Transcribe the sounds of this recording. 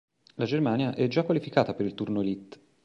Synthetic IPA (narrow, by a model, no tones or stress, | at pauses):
lad͡ʒermaːnjaʔɛd͡ʒakːwalifikaːt̪apeɾilt̪urnoelit̪ː